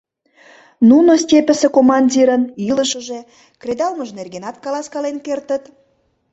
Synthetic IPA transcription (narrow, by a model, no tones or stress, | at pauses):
nunostʲepə̆sĕkomɑnʲdʲiɾəniləʃəʒe̽ | kred̪ɑlməʒnerɣenɑt̪kɑlɑskɑlenkert̪ət̪